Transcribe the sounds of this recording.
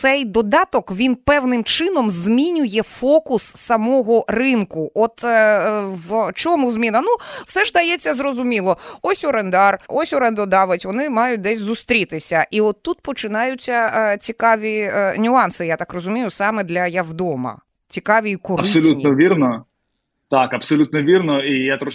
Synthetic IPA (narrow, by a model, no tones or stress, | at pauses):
sɛjd̪ɔd̪ɑt̪ɔkʋʲinpɛwnɪmt͡ʃɪnɔmzmʲinʲʊjɛfɔkʊsːɐmɔɦɔrɪnkʊʔɔt̪ | ʋt͡ʃɔmuzmʲinɐnuw̥sɛʒd̪ɐjɛt͡sʲːɐzrɔzʊmʲilˠɔɔsʲɔɾend̪ɑrɔsʲɔɾɛnd̪ɔd̪ɑʋɪtʲʋɔnɪmɑjʊt̚ʲd̪ɛsʲzʊst̪ɾʲit̪ɪsʲɐʔiɔt̪ːut̪̚pɔt͡ʃɪnɑjʊt͡sʲːɐt͡sʲikɑʋʲinʲʊɑnsɨjat̪ɑkrɔzʊmʲijʊsɑmɛd̪lʲɐjɐwd̪ɔmɐ̰ | t͡sʲikɑʋʲiikɔrɐɪsɔlʲutninɔʋʲirnɔ | t̪akɐpsɔlʲut̪̚nɔʋʲirnɔijat̪ɾɔ